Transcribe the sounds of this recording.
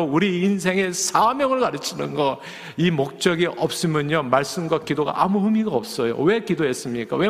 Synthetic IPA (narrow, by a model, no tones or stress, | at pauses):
uɾiːnsʰe̞ŋe̞sʰamjʌŋɯɭkaɾɯt͡ɕʰinɯnɡʌ | imok̚t͡ɕ͈ʌɡiʔʌp̚s͈ɯmjʌɲomaɭs͈ɯmɡwakidoɡa̰ʔamuɸumiɡaʌp̚s͈ʌjo̰we̞kidoɦes͈ɯmɲik͈a̰we